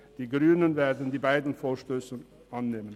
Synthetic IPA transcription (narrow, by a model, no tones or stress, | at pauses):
d̥iːɡʁyːnənveːɐdn̩diːbaɪdn̩foːɐʃtøːsə | ʔanːeːmən